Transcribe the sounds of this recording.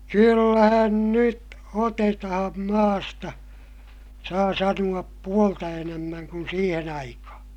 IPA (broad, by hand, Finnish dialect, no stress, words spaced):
kylːæhæn nyt otetɑhɑm mɑːstɑ sɑː sɑnuɑp puoltɑ enæmːæŋ kun siːhen ɑikɑhɑ̃ː